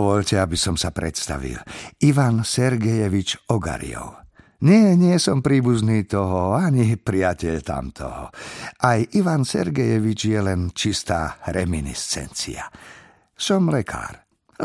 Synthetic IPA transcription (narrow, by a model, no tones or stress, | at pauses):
ʋɔʎcɛabisɔmsapɾɛ̰t̪st̪a̰ʋḭliʋansɛɾɡɛjɛʋit͡ʃɔɡa̰ɾḭɔ̰w | ɲɪɛɲɪɛsɔmpɾiːbuzniːt̪ɔɦɔaɲipɾiacɛʎt̪a̰mt̪ʰɔ̰ɦɔ̰ʔajʔiʋansɛ̰ɾɡɛjɛʋit͡ʃjɛlɛnt͡ʃist̪aːɾɛminḭst͡sɛ̰nt͡sḭa | sɔmlɛkʰa̰ːɾ